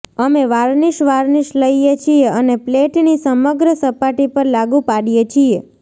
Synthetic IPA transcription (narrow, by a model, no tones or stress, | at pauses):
əmeʋaɾniʃʋaɾniʃləijet͡ʃʰieənepleʈnisəməɡɾəsəpaʈipəɾlaɡupaɽijet͡ʃʰie